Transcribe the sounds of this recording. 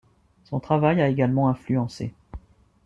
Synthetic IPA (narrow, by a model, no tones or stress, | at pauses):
sɔ̃t̪χavajaeɡalmɑ̃ɛ̃flyɑ̃sḛ